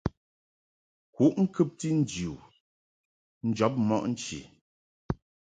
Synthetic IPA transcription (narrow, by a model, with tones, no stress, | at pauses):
ku˦ʔŋ̩˦kʉ˦p̚ti˦n̩˦d͡ʒu˨ | n̩˦d͡ʒɔ˨˦p̬̚mɔ̰˦ʔn̩˦t͡ʃḭ˨